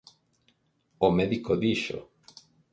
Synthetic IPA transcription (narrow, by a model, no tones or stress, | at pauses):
omeðikoðiʃo̰